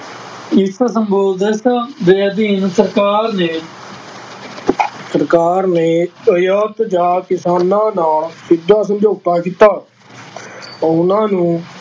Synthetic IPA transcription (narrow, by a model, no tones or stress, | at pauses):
ɪssəmboːd̪əsd̪eːəd̪iːnsəɾkaːɾneː | səɾkaːɾneːəjəːt̪d͡ʒaːkɪsaːnãːnaːlsɪd̪ʱːaːs̬əmd͡ʒoːɡ̚t̪aːkiːt̪aː | ɔːʊnãːnũː